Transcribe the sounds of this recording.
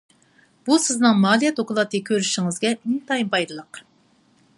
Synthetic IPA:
b̥usɪznɨŋmɑːlˠijɛt̪ʰoqʰlˠɑt̪ʰɨkʲʰøɾyʃiŋɪzɡʲɛmɪŋt̪ʰɑjimbɑjd̪ɨlˠəq

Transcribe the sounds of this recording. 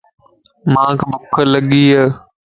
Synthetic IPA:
mãːkʰbʊkʰːələɠiːɦəː

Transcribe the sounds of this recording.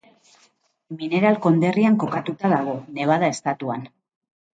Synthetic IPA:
mine̞ɾalko̞nd̪e̞riaŋko̞kat̪ut̪aðaɣ̞o̞ne̞β̞að̞ae̞st̪at̪uan

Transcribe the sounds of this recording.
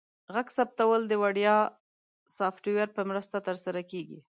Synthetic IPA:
ɣaɡsap̚t̪awəld̪əwaɽjɑ | sɑfʈuwaɾpəmɾəst̪at̪əɾsaɾakeɡḭ

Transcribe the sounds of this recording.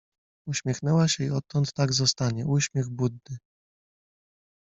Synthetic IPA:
uɕmʲjɛxnɛwaɕɛiɔt̪ːɔnt̪ːaɡzɔst̪aɲɛuɕmʲjɛɣbud̪̚nɘ

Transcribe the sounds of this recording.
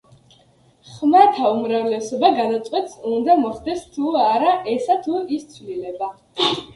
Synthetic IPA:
χmat̪ʰaumɾavlɛsɔbaɡad̪at̪sʼqʼwɛt̪ʰsund̪amɔχd̪ɛst̪ʰuaɾaʔɛsat̪ʰuist̪sʰwvlilɛba

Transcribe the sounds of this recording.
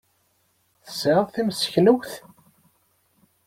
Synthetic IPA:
θə̥sʕəðθimsə̥çnəwθ

